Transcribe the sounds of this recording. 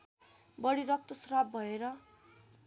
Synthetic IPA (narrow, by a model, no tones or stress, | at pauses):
bʌɽiɾʌk̚t̪ʌsrabːʱʌeɾʌ